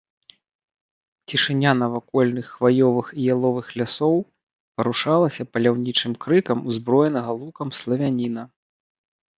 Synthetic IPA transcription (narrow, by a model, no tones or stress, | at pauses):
t͡sʲiʂɨnʲanɐvakɔlʲnɨxːvajɔvɨxijalˠɔvɨxlʲasɔw | pɐɾuʂalˠɐsʲɐpɐlʲawnʲit͡ʂɨmkɾɨkɐmuzbɾɔjɛnɐɣɐlˠukɐmslˠɐvʲanʲinɐ